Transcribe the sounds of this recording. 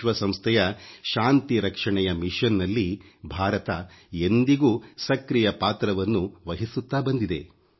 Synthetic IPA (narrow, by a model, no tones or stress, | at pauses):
ʋɐsɐ̃mst̪ʰɛjɐʃaːnt̪iɾɐkʂɐɳɛjɐmiʃɐnːɐlːibʱaːɾɐt̪ɐend̪iɡuːsɐkɾijɐpaːt̪ɾɐʋɐnːuʋɐɦisut̪ːaːbɐnd̪id̪e̞̰